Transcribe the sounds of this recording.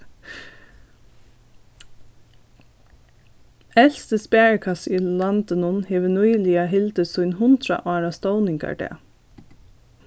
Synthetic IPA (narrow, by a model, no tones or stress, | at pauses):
ɛlst̪əspeːəɹkʰɑsilɑnt̪ənʊnheːʋənuɪliːɑɦɪld̪əsuʏnhʊnd̪ɾɑ̰ʔɑːɹɑst̪oʊnɪŋkʰɑ̰ʈḛː